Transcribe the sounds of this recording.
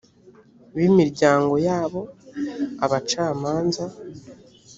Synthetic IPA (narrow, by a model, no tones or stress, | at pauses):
βimiɾɟaːŋɡo̞jaːβo̞ | aβat͡ʃaːmaːnza